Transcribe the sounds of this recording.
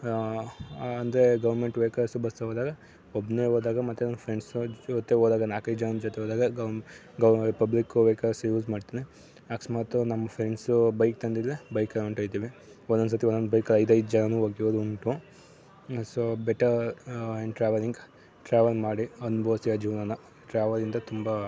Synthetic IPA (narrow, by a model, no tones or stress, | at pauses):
ɐnd̪ɾeɡɐʋɐɾmeɳʈʋeːkɐɾsubɐst̪ɐɦoːd̪aːɡɐ | obneːɦoːd̪aːɡɐmɐt̪ːunɐmːɐfɾeɳsot̪ːeoːd̪aːɡɐnaːkɐjd̪d͡ʒɐnɐnd͡ʒɔt̪eɦoːd̪aːɡɐɡɐ | ɡɐɾipɐblikʋeːkɐɾsjuːzmaːɖt̪iːne | aːksmaːt̪unɐmːɐfʰɾeɳɖsubɐjk̚t̪ɐnd̪id̪ɾebɐjkɐuɳʈɐːjt̪iːʋe | ɔnd̪onsɐt̪iɔnd̪ond̪bɐjkɐlɐjd̪ɐjd̪ud͡ʒɐnɐnuːoːɡioːd̪uuɳʈu | soːbeʈɐɾeɳɖʈɾaːʋɐliŋɡ | ʈɾaːʋɐlmaːɽiɐnubʱɐʋɐsijɐd͡ʒiːʋɐnanɐ | ʈɾaːʋɐlind̪ɐt̪umba